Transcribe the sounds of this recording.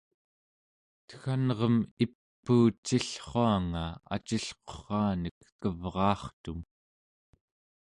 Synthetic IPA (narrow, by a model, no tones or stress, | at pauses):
t̪ə̥xanʁʌmipːuːt͡ʃːiɬχoaŋaa̰t͡ʃiɬqo̥χɑːnəkːəvʁɑːχt̪um